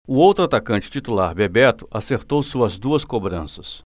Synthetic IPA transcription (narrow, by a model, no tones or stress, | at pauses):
ʊowt̪ɾʊat̪akɐ̃nt͡ʃɪ̥t͡ʃit̪ulaɾbebɛt̪ʊ̥ʔaseɾt̪owsuɐzd̪uɐskobɾɐ̃sɐs